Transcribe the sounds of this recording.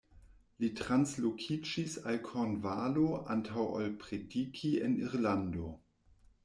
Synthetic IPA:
litʁanslokʰid͡ʒisalkʰonvaloʔa̰ntʰawa̰lpɾedikʰieniʁlando

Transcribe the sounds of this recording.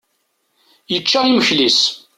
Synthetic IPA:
jət͡ʃːaiməçlis

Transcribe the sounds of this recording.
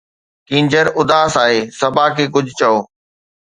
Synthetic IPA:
kĩːɲd͡ʑəɾʊd̪aːsaːɦeːsɐbʱaːkʰeːk̬ʊd͡ʑʱt͡ɕɐoː

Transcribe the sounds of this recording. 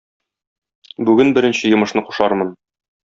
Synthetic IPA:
bʉɡɘnbɘ̆ɾɘ̆nɕɘjɤ̆mɤ̆ʃnɤqu̥ʃɑɾmɤn

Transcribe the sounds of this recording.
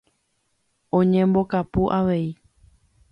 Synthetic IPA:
õɲẽmbo̞kapuʔaʋe̞i

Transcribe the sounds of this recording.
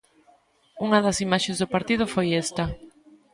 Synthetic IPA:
uŋɐðɐsimaʃezðʊpaɾt̪iðʊfojest̪ɐ

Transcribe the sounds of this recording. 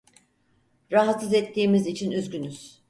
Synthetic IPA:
ɾaɦat̪sɯzɛt̪ʰːiːmizit͡ʃʰinyzɟynyz̥

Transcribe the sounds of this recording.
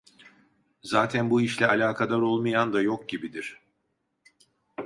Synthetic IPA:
zaːt̪ʰænbuiʃlʲɛalʲaːkʰad̪aɾo̞lˠmajand̪ajo̞k̚ɟibid̪iɾ̥

